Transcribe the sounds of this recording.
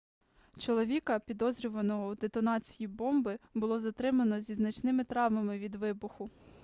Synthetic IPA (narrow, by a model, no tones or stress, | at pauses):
t͡ʃɔlˠɔʋʲikɐpʲid̪ɔzɾʲʊʋɐnɔɦɔwd̪et̪ɔnɑt͡sʲijibɔmbɪbʊlˠɔzɐt̪ɾɪmɐnɔzʲiznɐt͡ʃnɪmɪt̪ɾɑʋmɐmɪʋʲid̪ʋɪbʊxʊ